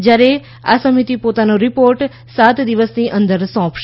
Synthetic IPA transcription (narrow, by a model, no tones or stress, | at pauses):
d͡ʒjaːɾe | a̰səmit̪ipoːt̪anoɾɪpoːɾʈ | saːt̪d̪ɪʋəsniʔə̃nd̪əɾsɔ̃ːpʃ